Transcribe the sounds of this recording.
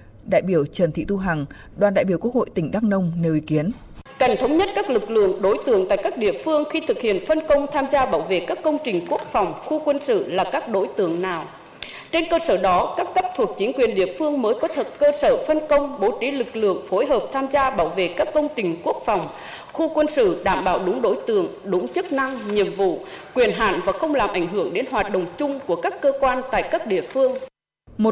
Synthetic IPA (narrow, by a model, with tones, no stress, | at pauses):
ɗa̰ː˧˨jɓi˧˩əwt͡ɕə˨˩nt̪ʰḭ˧˨t̪u˧ɦa˨˩ŋ | ɗwaː˨˩nɗa̰ː˧˨ɓi˧˩əku˦˥ək̚ho̰˧˨jt̪ï˧˩ŋ̟ɗaː˦˥k̚nə˧wŋ͡mne˨˩wʔi˨˦ki˨˦ən | ka˧˩jŋ̟t̪ʰə˨˦wŋ͡mɲə˦˥t̚kaː˦˥k̚lɨ˨˩k̚lɨ̰˧˨əŋɗo˨˦jt̪ɨ̰˧˩əŋt̪a̰ː˧˨jkaː˦˥k̚ɗḭ˧˨əfɨ˧əŋxi˧t̪ʰɨ˨˩k̚hḭ˧˨ənfə˧nkə˧wŋ͡mt̪ʰaː˧mzaː˧ɓaː˧˩wvḛ˧˨kaː˦˥kːə˧wŋ͡mt͡ɕï˨˩ŋ̟ku˦˥ək̚fa˨˩wŋ͡mxu˧kwə˧nsɨ̰˧˨laː˨˩kaː˦˥k̚ɗo˨˦jt̪ɨ̰˧˨əŋnaː˨˩w | t͡ɕe˧nkəː˧səː˧˩ɗɔ˨˦kaː˦˥kːə˦˥p̚t̪ʰu˨˩ək̚t͡ɕï˨˦ŋkwi˨˩ənɗḭ˧˨əfɨ˧əŋməː˨˦jkɔ˨˦t̪ʰə˨˩t̚kəː˧səː˧˩fə˧nkə˧wŋ͡mɓo˧˩t͡ɕi˨˦lɨ˨˩k̚lɨ̰˧˨əŋfo˨˦jɦəː˨˩p̚t̪ʰaː˧mzaː˧ɓaː˧˩wvḛ˧˨kaː˦˥kːə˧wŋ͡mt͡ɕï˨˩ŋ̟ku˦˥ək̚fa˨˩wŋ͡m | xu˧kwə˧nsɨ̰˧˨ɗaː˧˩mɓaː˧˩wɗʊ˨˦ŋ͡mɗo̰˧˥jt̪ɨ̰˧˨əŋɗʊ˨˦ŋ͡mt͡ɕɨ˦˥k̚na˧ŋɲi˨əmvṵ˧˨kwi˨˩ənɦa̰ː˧˩nvaː˨˩xə˧wŋ͡mlaː˨˩mʔa˧˩jŋ̟ɦɨ˧˩əŋɗe˨˦nɦwaː˨˩t̚ɗə̰˨˩wŋ͡mt͡ɕʊ˧ŋ͡mku˧˩əkaː˦˥kːəː˧kwaː˧nt̪a̰ː˧˨jkaː˦˥k̚ɗḭ˧˨əfɨ˧əŋ | mo˨˩